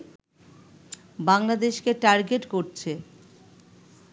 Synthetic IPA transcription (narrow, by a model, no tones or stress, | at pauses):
baŋlad̪eʃkeʈaɾɡeʈkoɾt͡ɕʰe